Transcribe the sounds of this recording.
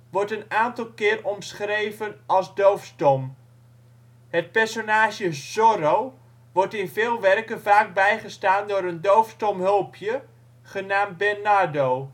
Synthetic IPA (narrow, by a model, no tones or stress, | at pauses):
ʋɔɹtənaːntɑlˠkɪːrɔmsχrejvənɑlˠzdowfstɔm | ɦət̚pɛɹsonaːʒjəzoɾow | ʋɔɹtɪnvɪːlˠʋɛrkənvaːk̚bɛjχəstaːndʊːɾəndowfstɔmɦɵlˠpʰjə | χənaːm̚bɛrnadow